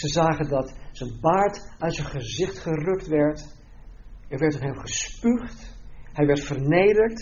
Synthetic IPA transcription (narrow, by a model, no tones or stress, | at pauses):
səzaːχəndɑtsənbaːɹtœɥtsənχəzɪχtχərɵktʋɛɹt | ɛɹʋɛɹtɔnɦɛmχəspyχtɦɛjʋɛɹtfəɹnejdəɹt